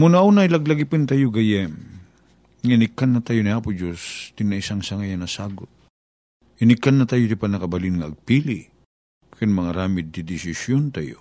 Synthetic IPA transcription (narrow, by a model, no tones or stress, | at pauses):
monɐʔunajlɐɡlɐɡɪpɨnt̪ajoɡɐjɛm | ŋɐinɪkːanːɐt̪ajoniaːpʊd͡ʒost̪ɪnɐɪsaŋsɐŋajɐnɐsaːɡʊt̪̚ | ɪnɪkːɐnːɐt̪ajot̪ɪpanɐkɐbɐlɪnŋɐɐɡ̚piːli | kɪnmɐŋaɾaːmɪd̪̚ːɪd̪ɪsɪsjont̪ajo̰